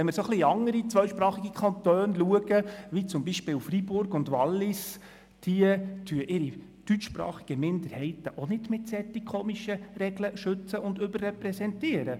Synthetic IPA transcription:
ɛnmɪɾsoχliɑŋəɾit͡sʋœɥʃpɾɑːχiɡikʰɑnt̪øːnluəɡəʋit͡sʊmbiʃpɪːlfribʊɾɡʊndʋɑlːɪs | d̥iətʰyəʔɪɾi | d̥yt͡ʃʃpɾɑ̰ːχi̥ɡ̥əmɪndəɾhɛɪtəʔɔnɪdmɪtsɛt̪ikʰoːmiʃəɾɛɡləʃɵt͡səʔʊndɵbərːɛpɾɛsɛntiəɾə

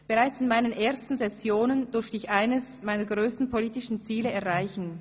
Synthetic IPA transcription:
b̥eʁaɪt͡sɪnmaɪnənʔeːɐstn̩zɛsjoːnəndʏɾftəɪçʔaɪnəsmaɪnɐɡʁøːstn̩pʰoliːtɪʃn̩t͡siːləɛɐʁaɪçn̩

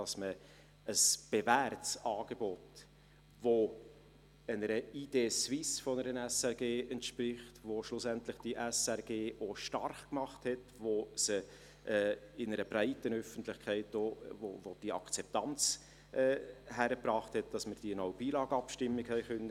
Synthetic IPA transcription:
ɑsmə | əsb̥evæɾtsɑːɡ̥ebɔt | vo | ənəɾəiːdeːsvɪsfɔnəɾənɛsɛɾɡeːɛntʃprɪχtʋoʃlʊsɛntlɪχd̥iʔɛsɛɾɡeːʔoʃtɑrχkmɑχthɛtvosə | ʔɛːɪnəɾəbɾæɪtənœfən̩tlɪχkʰɛɪt̚dovovod̥iɑ̰kt͡sɛp̚tɑnt͡s | ʔɛːɦæɾəpɾɑːχthɛt̚d̥ɑsməɾd̥iənɔʊb̥iːlɑːɡ̥əɑpʃtɪmːɪɡhɛɪχœnːə

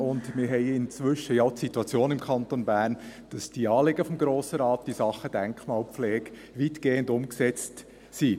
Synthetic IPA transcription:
ʊndmɪɾɦɛɪɪnt͡sʋʏʃəjɑʊtsituɑt͡sjoːnɪmkʰɑntonbæːɾnd̥ɑsd̥iɑːlɪɡəfɔmɡɾoːsəɾɑːtd̥isɑχːəd̥ɛŋkχmɑːlpflɛːɡ | ʋitɡ̥eːəndʊmksɛt͡st | si

